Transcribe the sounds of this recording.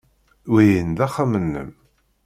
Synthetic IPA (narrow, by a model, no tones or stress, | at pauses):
wijənd̪æχamənːə̰m